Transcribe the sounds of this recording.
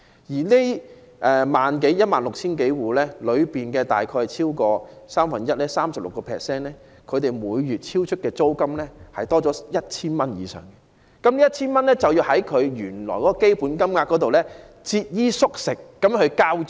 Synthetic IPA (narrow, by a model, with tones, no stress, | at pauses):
jiː˨˩le˥ | ʔɛ˨˩maː˨nk̬e˨˥jjɐ˥t̚maː˨nlʊ˨k̚t͡sʰiː˥nke˨˥jwuː˨lɛː˥lɵ˨˧ɥpiː˨˩nkɛː˧t̪a̰ː˨jkʰɔː˧jt͡sʰiː˥wkɔː˧saː˥mfɐ˨njɐ˥t̚lɛː˥saː˥msɐ˨p̚lʊ̰˨kːɔː˧pʰɛ̰ː˨˩k̚sɛː˥nlɛː˥ | kʰɵ˨˧ɥt̪e˨˩jmuː˨˧jːyː˨t̚t͡sʰiː˥wt͡ʃʰɵ˥t̚kɛː˧t͡so˥wkɐ˥mlɛː˥hɐ˨jt̪ɔː˥t͡sɔː˨˥jɐ˥t̚t͡ʃʰiː˥nmɐ˥njḭː˨˧sœ̰ː˨˩ŋkɛ˧ | kɐ˨˥mli˥jɐ˥t̚t͡ɕʰiː˥nmɐ˥nlɛː˥t͡sɐ˨wji˧whɐ˨˥jkʰɵ˨˧ɥjyː˨˩nlɔ̰ː˨˩jkɔ˨˥kɔː˧ke˥jpuː˨˥nkɐ˥mŋaː˧kɔ˨˥t̪o˨wlɛː˥ | t͡si˧t̚jiː˥sʊ˥k̚sɪ˨kːɐ˨˥mkɵ˨˧ɥkaː˥w